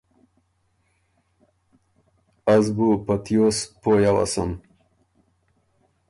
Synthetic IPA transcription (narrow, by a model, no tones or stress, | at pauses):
azbupɐt̪joːspoːjawa̰sɐm